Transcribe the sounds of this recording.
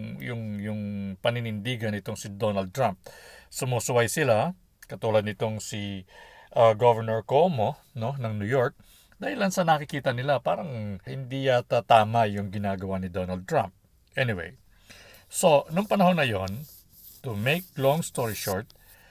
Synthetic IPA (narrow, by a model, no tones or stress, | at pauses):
jʊŋjʊŋpɐnɪnɪnd̪iːɡɐnɪt̪o̞ŋsɪd̪o̞nɐld̪̚t̪ɹamp̚sʊmosʊwajsɪla | kɐt̪uːlɐd̪̚nɪt̪o̞ŋsiʔaɡovɛɹnɛɹkomo | no̞nɐŋnujoɹk̚ | d̪aːhɪlɐnsɐnɐkɪkiːt̪ɐnɪlapaːɾɐŋhɪnd̪ijat̪at̪aːmɐjʊŋɡɪnaːɡɐwanɪd̪onɐld̪̚t̪ɹãmp̚ | ʔɛnɪwḛj | so̞nʊŋpɐnɐho̞nːɐjo̞n | t̪ʊmejk̚loŋst̪oɹiʃoɹt̪̚